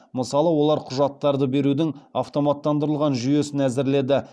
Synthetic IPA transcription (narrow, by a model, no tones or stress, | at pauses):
məsɑlˠəwo̞lˠɑɾqʰʊʒɑt̪ːɑɾd̪əbe̞ɾud̪ɪŋɑft̪o̞mɑt̪ːɑnd̪əɾəlˠʁɑnʒʏje̞sɪnæzɪɾle̞d̪ɪ